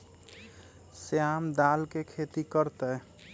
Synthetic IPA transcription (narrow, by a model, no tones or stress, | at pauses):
seamd̪alkekʰet̪ikəɾt̪ɛ